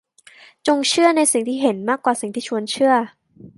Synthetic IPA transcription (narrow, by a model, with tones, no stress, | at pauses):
t͡ɕo˧ŋt͡ɕʰɯ˥˩ɐna˧jsi˨˩ŋt̪ʰiː˥˩ɦe˩˦nmaː˥˩kːwaː˨˩si˨˩ŋt̪ʰiː˥˩t͡ɕʰu˧ənt͡ɕʰɯ˥˩ɐ